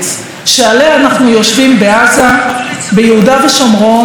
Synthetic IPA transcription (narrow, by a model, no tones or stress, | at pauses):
ʃealeaːnaχnujo̞ʃvimbe̞azabejeudaveʃomʁo̞